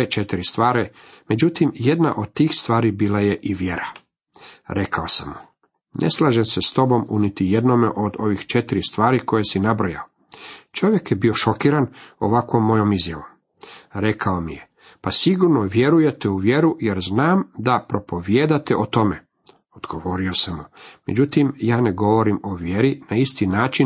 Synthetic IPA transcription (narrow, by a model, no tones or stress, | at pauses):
et͡ʃet̪iɾist̪ʋaːɾe | me̞d͡ʑut̪imje̞d̪na̰ʔo̞d̪̚t̪iːxst̪ʋaːɾibiːlaje̞ʔiʋje̞ɾa | ɾe̞kaosamu | nʔe̞̰slˠaːʒemsest̪o̞bo̞munit̪ijed̪no̞meʔo̞d̪o̞ʋixt͡ʃe̞t̪iɾist̪ʋaːɾiko̞jesinabɾoja̰o | t͡ʃo̞ʋje̞kjebio̞ʃo̞kiːɾano̰ʋakʋo̞mːo̞jo̞mizjaʋo̞m | ɾe̞kʰao̞mije | pasiɡuɾno̞ʋje̞ɾuje̞t̪euʋje̞ɾujeɾznaːmd̪apɾo̞po̞ʋjeːd̪at̪eʔot̪o̞me̞ | od̪ɡo̞ʋo̞ɾio̞samume̞d͡ʑut̪imjaːne̞ɡo̞ʋo̞ɾimo̞ʋjeɾinaist̪inaːt͡ʃin